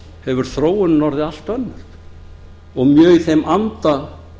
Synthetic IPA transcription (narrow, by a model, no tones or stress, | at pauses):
hɛvʏɾ̥θɾoːwʏnnɔɾðɪal̥t̪vœnːʏɾ̥ | ɔɣmjœːɣiθejmʔant̪a